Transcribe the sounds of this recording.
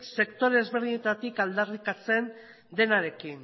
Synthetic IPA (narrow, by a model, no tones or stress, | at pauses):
se̞kt̪o̞ɾeːzβe̞ɾðiɲe̞t̪at̪ikald̪arikat͡se̞n | d̪e̞naɾe̞kin